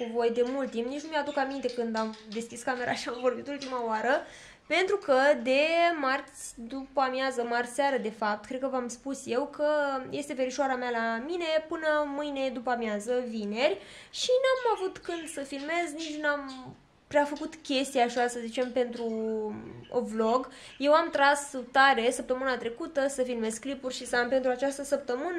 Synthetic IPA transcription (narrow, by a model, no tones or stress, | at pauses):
kuvo̞jd̪e̞mult̪ːimpnit͡ʃnumead̪ukamint̪e̞kɨnd̪amd̪e̞skʲiskame̞ɾʔa̰ʃiamvo̞rbit̪ult̪imawaɾə | pe̞nt̪ɾukəd̪e̞mart̪sʲd̪upamjazəmarsaɾəd̪e̞fap̚t̪̚kɾe̞d̪̚kəvamspusje̞wkʰəje̞st̪e̞ve̞ɾiʃoaɾamalamine̞pɨnəmɨjne̞d̪upamjazəvine̞rʲʃinamavut̪kɨnd̪səfilme̞znit͡ʃnam | pɾʲafəkut̪kʲe̞st̪iaʃasəzit͡ʃe̞mpe̞nt̪ɾu | o̰vlo̞ɡ | je̞wamt̪ɾast̪aɾe̞səp̚t̪əmɨnat̪ɾe̞kut̪əsəfilme̞zklipurʲʃisəampe̞nt̪ɾuat͡ʃast̪əsəp̚t̪əmɨnə